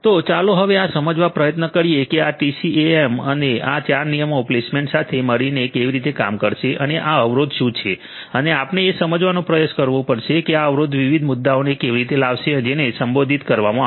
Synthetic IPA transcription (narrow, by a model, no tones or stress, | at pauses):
t̪ot͡ʃaloɦəʋeasəməd͡ʒʋapɾəjət̪nəkəɾijekeaʈisieeməneat͡ʃaɾnijəmoplesmẽɳʈsat̪ʰeməɽinekeʋiɾit̪eka̰mkəɾʃeʔəneʔaəʋɾod̪ʃũt͡ʃʰe | əneapneːsəməd͡ʒʋanũpɾəjoskəɾʋũpəɽʃekeaəʋɾod̪ʋiʋid̪ʱmʊd̪ːaonekeʋiɾit̪elaʋʃed͡ʒenesəmbod̪ʱit̪kəɾʋamã